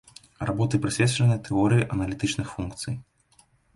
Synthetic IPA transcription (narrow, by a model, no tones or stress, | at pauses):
rabɔt̪ɨpɾɨsʲvʲɛt̪sʲɐnɨjt̪ʰɛɔɾɨjiʔɐnɐlʲit̪ɨt͡ʂnɨxfunkt̪sɨ̰j